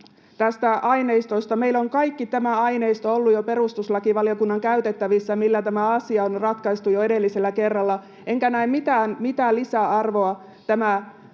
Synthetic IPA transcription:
t̪æst̪æʔɑjne̞ist̪ost̪ɑme̞ilo̞ŋkɑjkːit̪æmæɑjne̞ist̪oolːujope̞ɾust̪uslɑkiʋɑliokunːɑŋkæyt̪e̞t̪ːæʋisːæmilːæt̪æmæɑsiɑonrɑt̪kɑist̪ujoe̞de̞lːise̞lːæke̞rːɑlːɑ | e̞ŋkænæimmit̪æːnmit̪æːlːisæɑrʋo̞ɑ | t̪æmæ

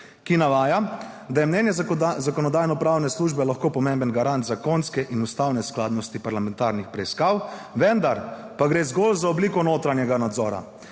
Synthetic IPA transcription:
kinaʋaːja | d̪ajɛmnɛnjɛzakɔnɔd̪aːjnɔpɾawnɛsluːʒbɛlaxkoːpɔmembənɡaɾant̪zakonskɛʔinust̪aːwnɛsklaːd̪nɔst̪ipaɾlamɛ̃nt̪aːɾnixpɾɛiskaːw | ʋɛnd̪aɾpaɡɾeːzɡoːlzaɔbliːkɔnoːt̪ɾanjɛɡanad̪zɔːɾa̰

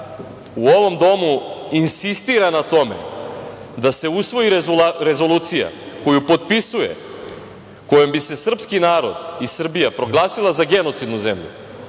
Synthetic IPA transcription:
uo̞ʋo̞md̪o̞muinsist̪iɾanat̪o̞mḛ | d̪ase̞usʋo̞jiɾɾe̞zo̞luːt̪sija̰ | ko̞jupo̞t̪pisuje̞̰ | ko̞jo̞mbise̞sr̩pskinaːɾo̞̰d̪isr̩bijapɾo̞ɡlˠaːsilˠazaɡe̞no̞t̪sid̪nuzemʎṵ

